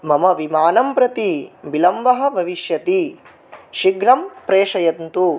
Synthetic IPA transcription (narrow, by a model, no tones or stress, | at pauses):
mɐmɐʋimaːnɐmpɾɐt̪ibilɐmʋɐɦɐ̆bʱɐʋiʃjɐt̪i | ʃiɡɾɐmpɾeːʂɐjɐnt̪u